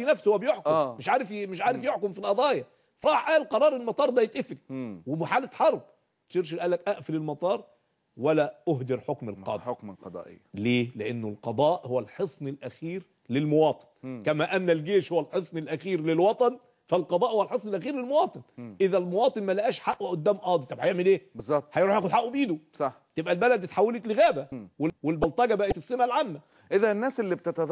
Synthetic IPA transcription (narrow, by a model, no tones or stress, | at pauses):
inæfshowæbɪjoħkʊmmɪʃʕaːɾɪfmɪʃʕaːɾɪfjoħkʊmfilʔɑd̪ˤɑːjɑ | fɑɾˤɑːħʔæːlqɑɾˤɑːɾˤɪlmɑt̪ˤɑːɾˤd̪æjɪt̪ʔɪfliwɪbɪħaːlɪt̪ħɑɾˤb̚ | t̪ʃiɾʃ̬ɪlʔæːlːækʔæʔfɪlɪlmɑt̪ˤɑːɾˤ | wælæʔʊɦd̪ɪɾħokmɪlqɑ̰d̪ˤqɑɑ̰ʔleːlɪʔɪnːʊlqɑd̪ˤɑːʔhʊwælħesˤnɪlʔæxiːɾ | lɪlmʊwɑːt̪ˤɨ̥nkæmæːʔænːælɡeːʃhowælħesˤnelʔæxiːɾlɪlwɑt̪ˤɑn | fælqɑd̪ˤɑːʔhowælħesˤnelʔæxiːɾlelmowɑːt̪ˤɨnʔɪðælmowɑːt̪ˤɨnmælæʔæːʃħaʔːweʔod̪ːæːmʔɑːd̪ˤit̪ˤɑbhajeʕmelʔeːbezˤːɑb̚t̪hæjɾuħjæːxʊd̪ħaʔːubʔiːd̪usˤɑħt̪ebʔælbælæd̪t̪ħawːælet̪lɪɣæːbæwewelbɑlt̪ˤɑɡæbæʔɪt̪ɪsːemælʕamːæ | ʔɪðænːæːsʔelːibt̪et̪ɑd̪